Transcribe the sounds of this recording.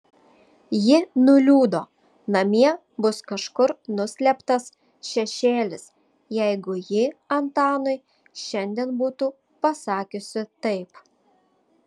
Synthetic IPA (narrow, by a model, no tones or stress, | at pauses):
jɪnʊlʲuːd̪oː | nɐmʲiɛ | bʊskɐʃkʊɾnʊsʲlʲɛpt̪ɐs | ʃʲɛʃʲeːlʲɪs | jɛɪɡʊjɪɐnt̪ɑːnʊɪ | ʃʲɛnʲd̪ʲiɛnbuːt̪uː | pɐsɑːkʲʊsʲɪt̪ɐɪp